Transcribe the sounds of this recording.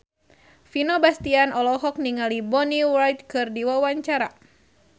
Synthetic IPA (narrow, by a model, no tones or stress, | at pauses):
finɔbast̪ianɔlɔɦɔk̚niŋalibɔniwajt̪̚kɨrdiwawaɲt͡ʃaɾa̰